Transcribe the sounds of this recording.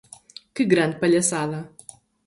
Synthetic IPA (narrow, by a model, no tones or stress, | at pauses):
kɨɡɾɐ̃nd̪̚pɐʎɐsaðɐ